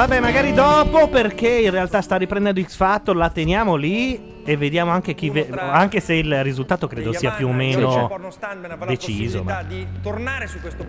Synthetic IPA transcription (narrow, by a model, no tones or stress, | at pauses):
vabɛmaɡaːɾid̪ɔːpoperkeinrealt̪ast̪arːipɾend̪ɛnd̪oisfat̪ːolat̪enjaːmoli | evːed̪jaːmoaŋk̟ek̟iveaŋkeseilrizult̪aːt̪okɾeːd̪osiːapjuomːeːno | dd̪et͡ʃiːzo̰mt̪ornaːɾesukwes